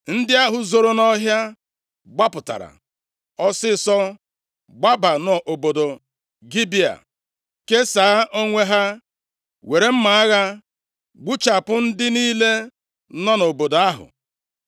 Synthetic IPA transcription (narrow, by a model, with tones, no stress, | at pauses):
n̩˦dɪ˦a˦ɦʊ˨zo˨ɾo˦nɔ˦ɦja˦ | ɡ͡ba˦pʊ˨ta̰˨ɾa̰˨ | ɔ˦sɪ˦sɔ˦ | ɡ͡ba˦ba˨nɔ˨ʔo˨bo˨do˨ | ɡi˦bi˦a̰˨ | ke˦sa˨a˦ʔo˦ŋʷe˦ɦa˦ | we˨ɾe˦m̩˦ma˨a˦ɣa˦ | ɡ͡bu˦t͡ʃa˨pʊ˦n̩˦dɪ˦niː˦le˦ | nɔ˦no˨bo˨do˨a˦ɦʊ̰˨